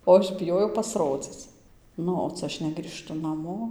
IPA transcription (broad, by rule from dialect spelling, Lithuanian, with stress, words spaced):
oː ˈɐʃ bʲɪˈjoːjɛʊ pɐsˈroːd͡zʲɪt͡s ˈnʊ oː ˈt͡sʲɛ ˈɐʃ nʲɛɡrʲiːˈʃtʊ nɐˈmoː